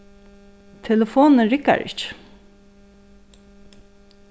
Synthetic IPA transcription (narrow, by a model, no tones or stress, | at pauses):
t̪ʰɛləfoːnəɹɪka̰ɹɪ̰t͡ʃ